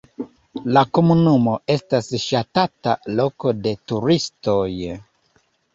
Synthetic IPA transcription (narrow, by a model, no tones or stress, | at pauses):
lako̞munumo̞e̞stasʃatata̰lo̞ko̞de̞tuɾisto̞j